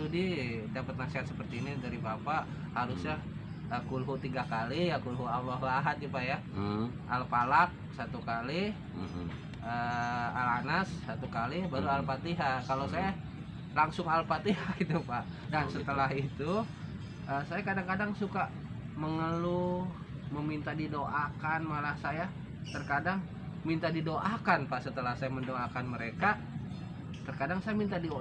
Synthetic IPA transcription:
udidapət̪̚nasiɦat̪̚səpərt̪iːnidaɾibapaʔ | haɾusɲa | əkulɦut̪iɡakalijakulɦualːɔɦlaɦat̪̚d͡ʒupaʔja | ʔa̰lpalak̚sat̪ukali | ʔəa̰lanasːat̪ukalibaɾualpat̪iɦakalosaja | laŋsʊŋalpat̪iɦaɡit̪upaʔ | dansət̪əlaɦit̪u | ʔəsajakadaŋkadaŋsuka | məŋəlu | məmint̪adidoʔakanmalahsaja | t̪ərkadaŋ | mint̪adidoʔakanpaʔsət̪əlahsajaməndoakanməɾeka | t̪ərkadaŋsajamint̪adi

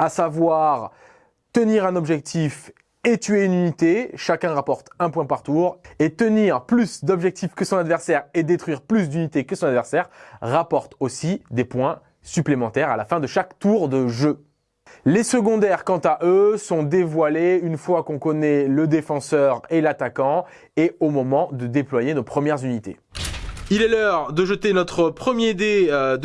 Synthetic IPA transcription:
asavwaʁ | t̪əniʁɛ̃nɔbʒɛk̚t̪if | et̪ɥeynynit̪eʃakʲɛ̃ʁapɔʁt̪ɛ̃pwɛ̃paʁt̪uʁet̪əniʁplysd̪ɔbʒɛk̚t̪ifkəsɔ̃nad̪vɛʁsɛʁed̪et̪χɥiʁplys̬d̪ynit̪ekəsɔ̃ad̪vɛʁsɛʁʁapɔʁt̪osid̪epwɛ̃ | syplemɑ̃t̪ɛʁalafɛ̃d̪əʃakt̪uʁd̪əʒø | lesəɡɔ̃d̪ɛʁkɑ̃t̪aʔøsɔ̃d̪evwaleynfwakɔ̃kɔnɛləd̪efɑ̃sœʁelat̪akɑ̃ | eomɔmɑ̃d̪əd̪eplwajenopχəmjɛʁzynit̪ḛ | ilɛlœʁd̪əʒət̪enɔt̪χəpχəmjed̪ed̪

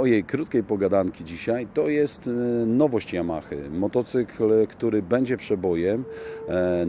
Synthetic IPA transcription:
ɔjejkɾut̪kʲejpɔɡad̪aŋkʲid͡ʑiɕajt̪ɔjɛst̪nɔvɔɕt͡ɕjamaxɘ̰mɔt̪ɔt̪sɘklkt̪uɾɘbɛɲd͡ʑɛpʂɛd̪bɔjɛm

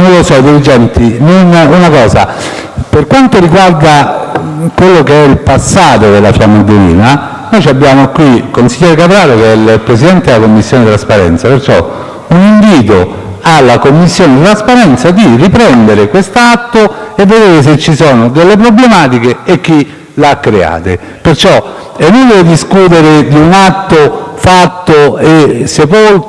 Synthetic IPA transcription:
losɔid̪elid͡ʒɛnt̪inonunakɔːza̰ | perkwant̪oɾiɡward̪a | kwelːokeɛilpasːaːt̪od̪elːafjamːad̪eɾḭːna | nojt͡ʃiabːjaːmokwikonsiʎːɛːɾekat̪ɾaːɾokeɛilpɾesid̪ɛnt̪ed̪elakomːisːjoːned̪it̪ɾaspaɾɛ̰nt̪sapert͡ʃɔ̰ | uniɱviːt̪̬o | alːakomːisːjoːned̪it̪ɾaspaɾɛnt̪sad̪iripɾɛnd̪eɾekwest̪oat̪ːoevːed̪eːɾes̬et͡ʃːisɔːnod̪elːep̬ɾoblemaːt̪ikeek̟ːi | leakːɾea̰ːt̪e | pert͡ʃɔ | enːond̪eved̪iskuːt̪̬eɾed̪iunat̪ːofat̪ːoesepol

